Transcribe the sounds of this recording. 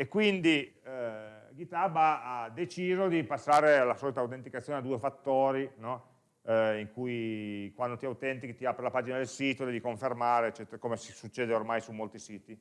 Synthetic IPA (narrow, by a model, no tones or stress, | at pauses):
ekːwind̪i | ɡit̪abaad̪et͡ʃiːzod̪ipasːaːɾealːasɔːlit̪awt̪ent̪ikat̪sːjoːnead̪uːefat̪ːoːɾinɔ | iŋkujkwand̪ot̪iawt̪ɛnt̪ikt̪iapːɾelapaːd͡ʒinad̪elsiːt̪od̪ɛvikoɱfermaːɾeːt͡ʃːɛt̪eɾakomesi̥sut͡ʃːeːd̪eormajsumolt̪isiːt̪i